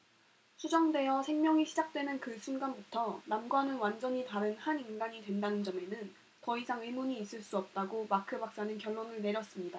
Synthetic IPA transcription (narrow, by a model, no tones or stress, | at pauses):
ɕʰud͡ʑʌŋdwe̞jʌsʰe̞ŋmjʌŋiɕʰid͡ʑak̚t͈we̞nɯnkɯɭsʰunɡanbutʰʌnamɡwanɯnwand͡ʑʌɲitaɾɯnhaninɡaɲidwe̞ndanɯnd͡ʑʌme̞nɯn | tʌisʰaŋɯimuɲiːs͈ɯɭs͈uʌp̚t͈aɡomakʰɯbak̚s͈anɯnkjʌ̹ɭːonɯɭne̞ɾjʌs͈ɯmɲida